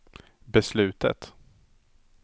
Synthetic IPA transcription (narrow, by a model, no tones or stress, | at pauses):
bɛslʉ̟ːt̪ə̰t̪